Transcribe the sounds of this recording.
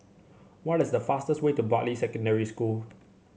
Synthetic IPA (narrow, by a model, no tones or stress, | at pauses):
wɔtɪsdəfastəstwetubɔʔlisɛkə̃ndɛɹiskul